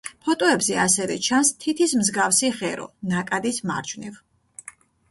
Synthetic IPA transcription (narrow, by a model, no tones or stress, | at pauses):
pʰɔt̪ʼɔɛbzɛasɛvɛ̰t͡ʃʰanst̪ʰit̪ʰismzɡafsiʁɛɾɔ̰nakʼad̪isma̰ɾt͡ʃʰvniv